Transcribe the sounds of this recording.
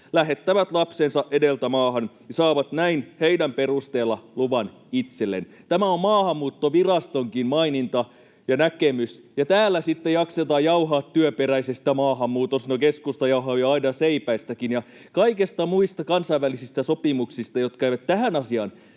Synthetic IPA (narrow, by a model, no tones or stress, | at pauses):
læɦet̪ːæʋæt̪lɑpsensɑʔedelt̪æmɑːhɑnjɑsɑːʋɑt̪næinheidæmperust̪eːlːɑluʋɑn | it̪selːḛn | t̪æmæommɑːhɑmːuːt̪ːoʋirɑst̪oŋkinmɑinint̪ɑ | jɑnækemys | jɑt̪æːlˑːæsit̪ːejɑkset̪ɑːjɑuɦɑːt̪tːyøperæisest̪jɑmɑːɦɑmːuːt̪onsinokeskust̪ɑjɑuɦɑːjɑɑinɑseipæist̪ækinjɑ | kɑikest̪ɑmuist̪ɑkɑnsɑiʋʋælisist̪æsopimuksist̪ɑjot̪̚kæiʋæt̪tæhænɑsiɑn